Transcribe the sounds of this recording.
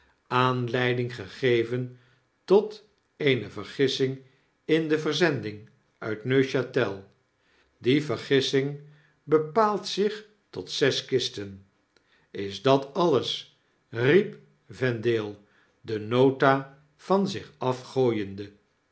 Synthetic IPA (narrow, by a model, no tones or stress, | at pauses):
aːnlɛjdɪŋχəχejvən | tɔt | ejnəvəɹχɪsɪŋ | ɪndəvəɹzɛndɪŋ | œ̰ɥtnøɥʃatɛlˠ | divəɹχɪsɪŋ | bəpaːlˠtsɪχ | tɔtsɛskɪstən | ɪzdɑtɑləs | rip | vɛndeːlˠ | dənowta | v̥ɑnzɪχɑfχoːjəndə